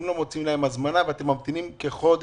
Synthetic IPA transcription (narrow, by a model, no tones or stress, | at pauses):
mlomot͡simlaemazmanaveat̪emːamt̪inimkeχo̞d̪